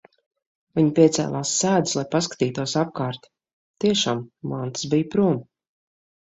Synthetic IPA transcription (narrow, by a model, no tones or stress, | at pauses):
viɲpʲiɛt̪sɛ̰ːlˠaːsːæːd̪ɨslˠajpaskḁt̪iːt̪uɔsap̚kaːɾt̪ | t̪iɛʃaːmmant̪sbijpɾuɔm